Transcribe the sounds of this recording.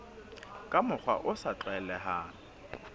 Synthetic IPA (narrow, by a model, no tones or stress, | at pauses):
kʼamʊk͡xwa̰ʔʊsat͡ɬɛlɛɦaː